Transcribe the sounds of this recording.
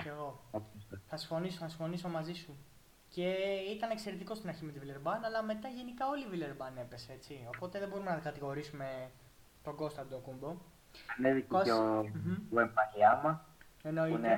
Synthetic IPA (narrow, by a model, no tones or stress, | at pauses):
ceɣo̞oɐst̪eθɐsiɱfo̞nisoθɐsĩɱfo̞niso̞mɐzisu | ce̞it̪ɐne̞kse̞ɾe̞t̪iko̞st̪inɐɾçime̞t̪ivileɾbɐnɐlɐme̞t̪ɐʝe̞nikɐo̞livileɾbɐne̞pe̞seet͡sio̞po̞t̪e̞ðe̞bo̞ɾume̞nɐt̪ɐkɐt̪iɣo̞ɾisume̞ | t̪o̞ɡo̞st̪ɐd̪okumbo̞ | ɐneðicoom̩embɐliɐmɐeno̞ine